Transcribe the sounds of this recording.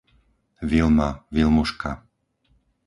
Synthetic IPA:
ʋilmaʋilmuʃka̰

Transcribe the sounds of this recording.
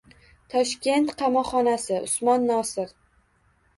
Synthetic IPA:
t̪ʰɒʃkʲe̞nt̪qʰɑmɒχɒnasɪʔʊ̰smɒnːɒsɪɾ

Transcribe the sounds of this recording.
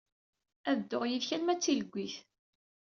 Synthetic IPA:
æðd̪ːoʁjiðçælmæt͡sːiləɡʷːiθ

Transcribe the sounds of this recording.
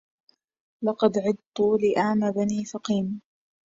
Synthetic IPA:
lɑqɑd̪ʕɪd̪̚t̪ˤʊlɪʔaʕmabaniːfɑqiːm

